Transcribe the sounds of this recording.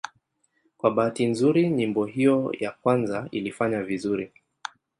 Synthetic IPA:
kwaɓaːtinzuɾiɲimbɔɦijɔjakwanzailifaɲavizuɾi

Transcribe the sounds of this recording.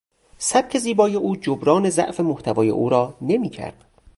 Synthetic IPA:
sæb̥̚cʰe̞ziːbɒːjeʔuːd͡ʒobɾɒːne̞zæ̰ʔfe̞moht̪ʰævɒːje̞̰ʔuːɾɒːne̞miːcʰæ̰ɾd̪̥

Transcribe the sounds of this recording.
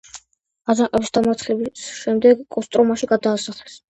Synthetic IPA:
azaqʼɛbisd̪̥amat̪sʰχlɛbisʃɛmd̪ɛɡkʼːɔst̪ʼɾɔmaʃiɡad̪aːsaχlɛs

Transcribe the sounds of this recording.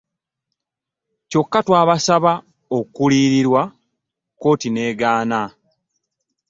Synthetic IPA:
co̞kːatwaːβasaβa | okːuliːɾiɾwa | ko̞ːtine̞ːɡaːna

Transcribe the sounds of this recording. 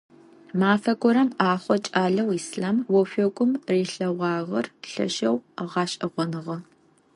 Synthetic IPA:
maːfɐɡʷʼɔɾɐmaːχʷɔt͡ʃʼaːɮɐwiːsɮaːmwɔfʷɔɡʷʊmriːɬɐʁʷɑːʁɐrɬɐ̰ʃɐwʁɑːɕʼʔɐʁʷɔnɨʁɐ

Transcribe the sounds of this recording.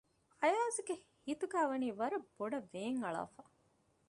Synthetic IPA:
ɐjaːziɡehit̪uɡæːʋɐniːʋɐɾɐb̥ːoɖɐʋeːŋɐɭa̰ːfa

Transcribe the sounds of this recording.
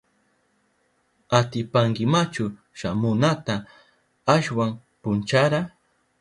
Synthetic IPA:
at̪ɪpaŋkɪmat͡ʃʊ | ʃamʊnat̪a | aʃwam | pʊnt͡ʃaɾa

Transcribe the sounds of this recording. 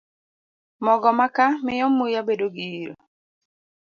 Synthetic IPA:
mɔɡɔmakamɪjɔmːujabedoɡiiɾo̰

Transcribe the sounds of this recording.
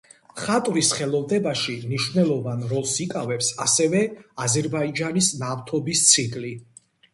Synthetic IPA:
χat̪ʼvɾisχɛlˠɔvd̪ɛbaʃimniʃvnɛlˠɔvanɾɔlˠsikʼavɛpsasɛvɛazɛɾbaid͡ʒanisnaft̪ʰɔbist̪sʰikʼli

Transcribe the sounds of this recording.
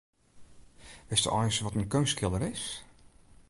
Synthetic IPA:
ʋɪstɔ̰ʔɔjsʋɔtənkønskɪlˠəɾɪs

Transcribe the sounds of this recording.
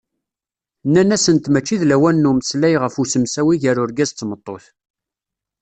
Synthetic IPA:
nːænæsənt̪mæt͡ʃːiðlæwænːuməslæjʁəfusəmsæwiʝəɾʊɾɡæzt͡sːmət̪ˤːoθ

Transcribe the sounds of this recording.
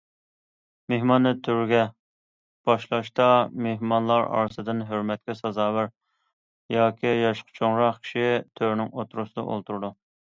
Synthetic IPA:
mehmɑnːɨt̪ʰyɾɡʲɛ | b̥ɑʃlˠɑʃt̪ɑmehmɑnlˠɑɾɑ̰ɾɨsɨd̪ɨnɦøɾmɛt̪̚kʲɛsɑzɑːwɨɾ | jɑːkʲʰijɑʃqʰə̥t͡ʃʰoŋɾɑqkʲʰi̥ʃit̪ʰøɾnɪŋot̪ʰɾusɨd̪ɑ̰ʔo̰lˠt̪ʰuɾd̪u

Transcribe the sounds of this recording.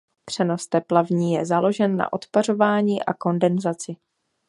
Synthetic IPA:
pr̝̥ɛno̞st̪ɛplavɲiːjɛzalo̞ʒɛnːa̰ʔo̞t̪paro̞vaːɲiːʔa̰ko̞ndɛnzat͡sɪ

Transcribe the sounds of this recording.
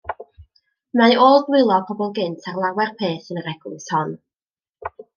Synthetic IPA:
maoːlˠɡwɪlˠɔpʰɔbɔlˠɡɨntʰarlˠawɛrpʰeːθənəɾɛɡ̥lɪshɔn

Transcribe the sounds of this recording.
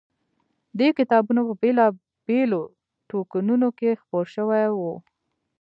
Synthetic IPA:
d̪ekɪt̪ɑbunapəbelɑ | belo | ʈokanunokexpoɾʃəwajwu

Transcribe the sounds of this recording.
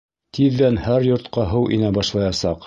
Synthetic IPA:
t̪ʰiðːænhæɾjŏɾt̪qɑɦɤwʔḭnæbɑʃlˠɑjɑsɑq

